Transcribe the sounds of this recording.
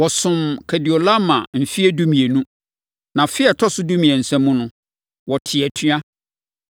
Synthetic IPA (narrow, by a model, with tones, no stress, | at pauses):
wɔ˨sʊ̃˨mkʰɛ˨dɪ˨o˨lã˦mã˨m̩˨fi˦ɛ˦du˦mĩ˨e˨nũ˦ | nã˨fɪ˦ɛ˨tʰɔ˦sʊ˦dũ˦mĩ˨ɛ˨n̩˨sɛ̃˦mːũ˦nʊ̃˦ | wɔ˨tʰɪ˨ɛ˨tʰɥa˦